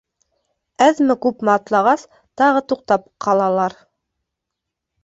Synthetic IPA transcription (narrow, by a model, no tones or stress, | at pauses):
æðmɘkʉpmɘɑt̪lˠɑʁɑs | t̪ɑʁɤt̪uq̚t̪ɑp̚qʰɑlˠɑlˠɑɾ